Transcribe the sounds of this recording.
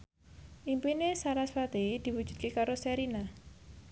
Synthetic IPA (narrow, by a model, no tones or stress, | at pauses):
ʔimpinesaɾasfat̪ed̪̥i̤wu̥ʒ̥ṳ̥d̪̚kekaɾosɛɾina